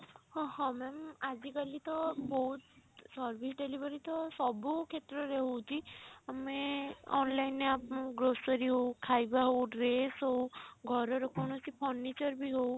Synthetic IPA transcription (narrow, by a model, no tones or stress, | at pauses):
hɔ̃hɔ̃mɛmad͡ʒikalit̪ɔboɦut̪sɔɾbʱisɖelibʱɔɾit̪ɔsɔbukʰet̪ɾɔɾeɦowt͡ʃʰiameɔ̰nlaineapɡɾosɔɾiɦowkʰajbaɦoɖɾesɦowɡʱɔɾɔɾɔkʰɔɽ̃ɔt͡ʃipʰɔnːit͡ʃɔɾbʱiɦow